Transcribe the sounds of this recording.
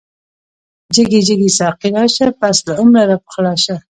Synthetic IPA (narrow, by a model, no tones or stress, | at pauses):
d͡ʒəɡed͡ʒəɡesɑqiɾɑʃapaslaʕʊmɾaɾap̚qlɑʃa